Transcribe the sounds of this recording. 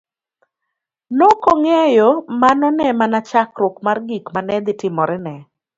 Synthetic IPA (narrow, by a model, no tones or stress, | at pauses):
nokoŋejɔmanɔnɛmanat͡ʃakɾʊkmarɡikmanɛd̪ɪtɪmɔɾɛnɛ